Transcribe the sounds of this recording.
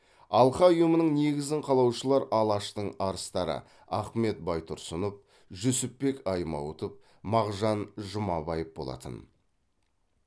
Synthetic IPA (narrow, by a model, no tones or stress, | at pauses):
ɑlˠqɑʊjəmənəɴne̞ɡʲɪzd̪ɪɴqʰɑlˠɑwʃəlˠɑɾʔɑlˠɑʃt̪əɴɑɾəst̪ɑɾə̰ | ɑχme̞t̪̚bɑjt̪ʰʊɾsʊnəp̚ | ʒɵsɪpːe̞kɑjmɑ̰wt̪əp̚ | mɑʁʒɑnʒʊmɑbɑjəpbo̞̰lˠɑ̰t̪ə̰n